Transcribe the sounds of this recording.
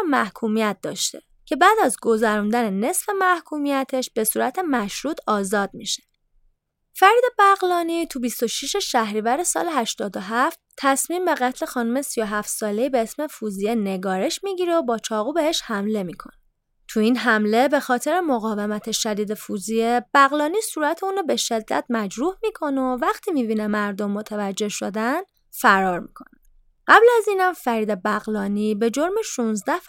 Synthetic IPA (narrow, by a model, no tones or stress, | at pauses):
mæhkʰuːmijæt̪̚d̪ɒ̰ːʃt̪e̞ | cʰe̞bæːd̪æzɡo̞zæɾund̪æne̞ne̞sfe̞mæhkʰuːmijæt̪ʰe̞ʃb̥e̞suːɾæt̪ʰe̞mæʃɾuːt̪ʰɒːzɒːd̪̚miʃe̥ | fæɾiːd̪ebæɣlɒːnit̪ʰubist̪o̞ʃiʃe̞ʃæhɾiːvæɾe̞sɒ̰ːleɦæʃt̪ɒːd̪o̞ɦæft̪ʰːæsmiːmbe̞ɣæt̪ʰle̞xɒːnumesijo̞ɦæft̪sɒːle̞iːbe̞esmefuzijeneɡɒːɾe̞ʃmiɟiːɾeobɒːt͡ʃʰɒːɣuːbe̞heʃhæmle̞miːkʰo̞̰ne | t̪ʰuiːnɦæmle̞be̞xɒːt̪ʰe̞ɾemoɣɒːve̞mæt̪ʰeʃæd̪iːd̪e̞fuzijeb̥æɣlɒːnisuːɾæt̪ʰeuːnobe̞ʃe̞d̪ːæ̰t̪ʰmæd͡ʒɾuːhmikʰo̞novæxt̪ʰiːmiːbiːnemæɾd̪omːot̪ʰævæd͡ʒːe̞hʃod̪æn | fæɾɒːɾmikʰo̞̰næ | ɢæblæziːnhæmfæɾiːd̪ebæɣlɒːniːbe̞d͡ʒo̞ɾmeʃunzd̪æh